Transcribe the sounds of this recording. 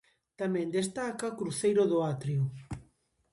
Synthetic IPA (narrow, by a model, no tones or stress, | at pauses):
t̪amɛ̃nd̪est̪akaokɾuθejɾʊðʊat̪ɾiu